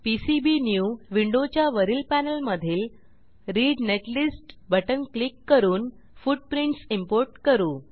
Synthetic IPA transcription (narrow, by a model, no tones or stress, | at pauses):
pisibinjuʋiɳɖot͡ɕjaʋəɾiːlpænəlməd̪ʱiːl | ɾiːɖneʈlisʈbəʈənklikːəɾuːn | fuɖ̚pɾiɳʈsimpoɾʈkəɾuː